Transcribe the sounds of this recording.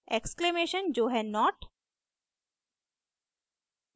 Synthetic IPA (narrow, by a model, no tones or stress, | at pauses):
eksklemeːʃə̃nd͡ʒoːɦɛnɔʈ